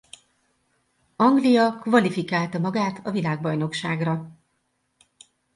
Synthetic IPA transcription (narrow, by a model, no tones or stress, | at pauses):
ɒŋɡlijɒkvɒlifikaːlt̪ɒmɒɡaːt̪ʰɒvilaːɡbɒjno̞kʃaːɡrɒ